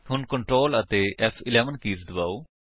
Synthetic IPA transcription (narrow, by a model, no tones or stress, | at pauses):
ɦʊnkəɳʈɾoːlət̪eːʔɛfʰɪlɛːʋənkiːsd̪əbaːoː